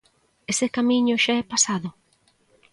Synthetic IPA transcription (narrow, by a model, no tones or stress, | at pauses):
esekamiɲʊʃaɛpasaðʊ